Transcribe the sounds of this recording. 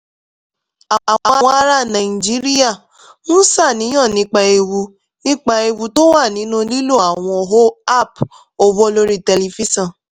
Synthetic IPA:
a˨a˨a˨˧˨wɔ̃˧a˧ɾa˦nã˨i˨d͡ʒi˦ɾi˦a˦˨ | nũ˦sa˦˨nĩ˨˦ɔ̃˦˨nĩ˧˦k͡pa˧e˧wu˧ | nĩ˦k͡pa˧e˧wu˧to˦wa˦˨nĩ˨˦nũ˦li˦lo˦˨a˨w̃ɔ̃˧o˨ɦo˦a˦˨p | o˨wo˦lo˦ɾi˦te˧li˧fi˦sɔ̃˦˨

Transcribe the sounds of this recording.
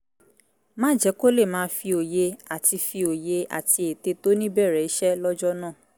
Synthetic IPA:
mãː˦d͡ʒɛ˨˦ko˦le˦˨mãː˨˦fi˧o˨je˧a˨ti˧fi˧o˨je˧a̰˨ti˧˦e˨te˧to˦nĩ˦bɛ˦˨ɾɛ˨i˨˦ʃɛ˦lɔ˦d͡ʒɔ˦nãː˦˨

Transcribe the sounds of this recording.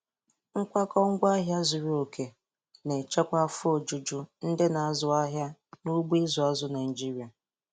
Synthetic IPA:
ŋ̩˦kʷa˦kɔ˦ŋ̩˦ɡʷa˦ɦja˦zʊ˨ɾi˦o˨kʰe˨ | ne˨t͡ʃe˦kʷa˦fʊ˦o˨d͡ʒu˨d͡ʒʊ˦n̩˦dɪ˦na˨a˦˨zʊ˨a˦ɦja˦nu˦ɡ͡bzʊ˨a˦zʊ˦na˨ɪ˨d͡ʒi˦ɾi˨a˨

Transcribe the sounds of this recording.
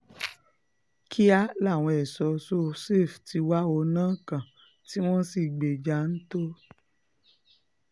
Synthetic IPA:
kʰi˦a˦la˦˨w̃ɔ̃˧ɛ˨sɔ˨˧so˦se˦˨fti˧wa˦o˧nãː˦˨kã˨ | ti˦w̃ɔ̃˦si˧˨ɡ͡be˨d͡ʒa˧˦n̩˦to˦

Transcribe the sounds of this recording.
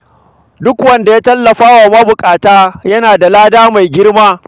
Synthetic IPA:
dʊ˦kwɐ˦nda˨jaː˦tɐ˦lːɐ˨ɸaː˦wa˨mɐ˦bʊ˨kʼaː˨taː˦jɐ˦naː˨da˨laː˦daː˦ma˨jɡʲɪ˦rmaː˦

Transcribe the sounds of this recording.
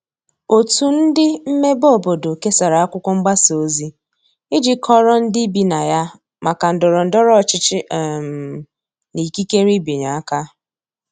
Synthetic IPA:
o˨tu˨n̩˦dɪ˦m̩˦me˦bo˦˨bo˨do˨ke˦sa˨ɾa˨a˦kʷʊ˦kʷɔ˦ŋ͡m̩˦ɡ͡ba˦so˦zi˦ | ɪ˦d͡ʒɪ˦kʰɔ˦ɾɔ˦n̩˦dɪ˦bi˨na˨ja˦ | ma˨ka˨n̩˨dʊ˨ɾɔ˨n̩˨dɔ˦ɾɔ˦˨t͡ʃɪ˦t͡ʃɪ˦˨m˨ | ni˨ki˦ke˦ɾi˦bi˨ɲa˨a˦ka˦

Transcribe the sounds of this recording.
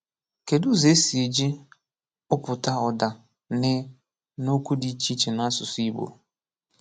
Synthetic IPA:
ke˨du˦ze˨˦si˨e˨d͡ʒi˦ | ʊ˦pʊ˨ta˦ɔ˨da˨ | nɪ˦ | no˦kʷu˦di˦t͡ʃi˦t͡ʃe˨na˦sʊ˨si˦bo̰˨

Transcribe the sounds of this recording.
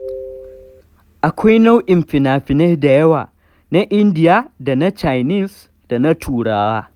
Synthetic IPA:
ʔa˨kʷa˦jna˦wʔɪ˨mɸɪ˨naː˨ɸɪ˨nɛ˦hda˨jɐ˦waː˨ | na˦ʔɪ˦ndɪ˦jaː˦da˨na˦t͡ʃa˨jniː˦˨s | d̥a˨na˦tʰuː˨ɽaː˦waː˦

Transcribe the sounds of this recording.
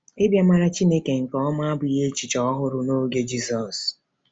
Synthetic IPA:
e˦bja˦ma˦ɾa˦t͡ʃi˦ne˦ke˨ŋ̩˨kɔ˦ɔ˦ma˦a˦bʊ˨je˦t͡ʃi˨t͡ʃɔ˦ɦʊ˦ɾʊ˦no˦ɡe˦d͡ʒi˦sɔ˨s

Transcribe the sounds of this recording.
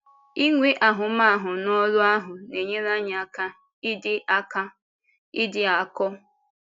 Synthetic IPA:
i˦ŋʷe˦ʔa˨ɦʊ˨ma˦˨ɦʊ˨nɔ˦lʊ˦a˦ɦʊ˨ne˨ɲe˦ɾa˦ɲ˨a˨ka˦ | ɪ˦dɪ˦ʔa˦ka˦ | ɪ˦dɪ˦a˨kɔ˦

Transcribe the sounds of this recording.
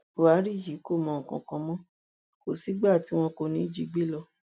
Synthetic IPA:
wa˨˦ɾi˦˨ji˨˦ko˦˨mɔ̃˧˨kɔ̰̃˨kɔ̃˧˦mɔ̃˦ | ko˨si˨˦ɡ͡ba˦˨ti˨˦w̃ɔ̃˧ko˧nĩ˨˦d͡ʒi˧˦ɡ͡bi˦lɔ˧

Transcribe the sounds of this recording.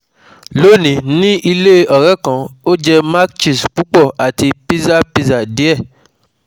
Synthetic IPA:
lo˦˨nĩ˨˦nĩ˦ʔi˧le˦ɔ˨ɾɛ˨˦˨kã˧o˦d͡ʒɛ˧ma˦kt͡ʃi˦˨sk͡pu˨˦k͡pɔ˦˨a˨ti˧pi˦za˦˨pi˧za˨di˨˦ɛ˦˨

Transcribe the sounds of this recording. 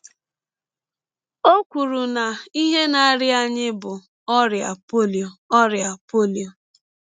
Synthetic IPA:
o˦kʷu˨ɾu˨na˨i˦ɦe˦na˨˦ɾɪ˦a˦ɲɪ˦bʊ˨ | ɔ˦ɾɪ˨a̰˨po˦li˨o˨ɔ˦ɾɪ˨a˨po˦li˨o˨

